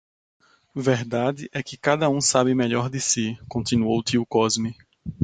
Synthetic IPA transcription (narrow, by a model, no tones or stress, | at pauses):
vɛɾd̪ad̪ɪʔɛkɪkad̪ɐũsabɪmeʎɔɾd̪ɪsikõnt̪ĩnuowt̪iukɔzmɪ